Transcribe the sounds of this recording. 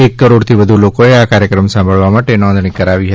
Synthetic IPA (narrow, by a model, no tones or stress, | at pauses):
ekːəɾoɽt̪ʰiʋəd̪ʱulokoeakaɾjəkɾəmsãmbʱəɭʋamaʈenɔ̃nd̪ʱɳ̃ikəɾaʋiɦət̪i